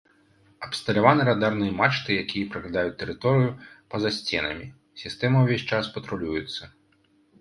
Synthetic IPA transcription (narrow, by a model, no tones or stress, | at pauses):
ɐpst̪ɐlʲavanɨɾad̪arnɨjɐmat͡ʂt̪ɨjakʲʰijɐpɾɐklʲad̪ajut͡sʲt̪ɛɾɨt̪ɔɾɨjupɐzasʲt͡sʲɛnɐ̰mʲi | sʲist̪ɛmɐwvʲesʲt͡ʂaspɐt̪ɾulʲujɛt̪sːɐ